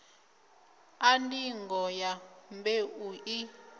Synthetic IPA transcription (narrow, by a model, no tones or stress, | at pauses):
andiŋɡɔjambeuʔi